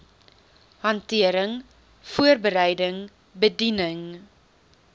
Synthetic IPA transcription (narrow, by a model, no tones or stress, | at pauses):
hɐntiəɾəŋ | fuərbəɾɛjdəŋ | bədinəŋ